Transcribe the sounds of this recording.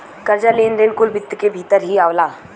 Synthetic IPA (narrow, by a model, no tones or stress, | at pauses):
kɐɾd͡ʒaleːnd̪ɾeːnkʊlbɪt̪ːkebʱit̪əɾɦiaːʋlaː